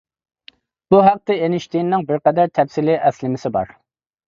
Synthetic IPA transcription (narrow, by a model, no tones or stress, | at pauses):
b̥uɦɑq̚t̪ɨenɪʃt̪inːɪŋbɪɾqɛd̪æɾt̪ʰɛfsɪlɪʔɛslɪmɪsɪbɑ̰ɾ